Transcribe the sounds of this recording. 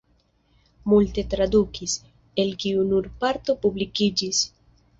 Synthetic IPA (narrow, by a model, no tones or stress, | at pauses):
mult̪e̞t̪ɾad̪ukis | e̞lkiunuɾpaɾt̪o̞publikid͡ʒis